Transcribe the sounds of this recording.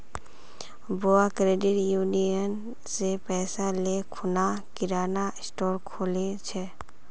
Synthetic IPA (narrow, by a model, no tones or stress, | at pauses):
boːakɾeːɖɪʈjuːnijən | sepɛːsalekʰʊnakɪɾaːnaɪsʈoːɾkʰoːlet͡ʃʰɛ